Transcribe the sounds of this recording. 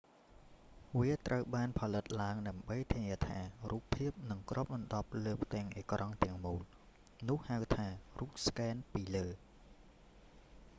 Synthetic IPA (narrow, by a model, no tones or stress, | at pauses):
ʋiət̪rʔəwɓaːnpʰɑlɨt̪̚laəŋɗaəmɓəjt̪ʰiəniət̪ʰaːruːpʰːiəp̚nɨŋkrʔŏəp̚ɓɑnɗɑp̚ləːpʰt̪ɛ̆əŋʔḛːkrʔɑŋt̪ɛ̆əŋmuːl | nʊ̆əhhawt̪ʰaːruːp̚skɛːnpiːləː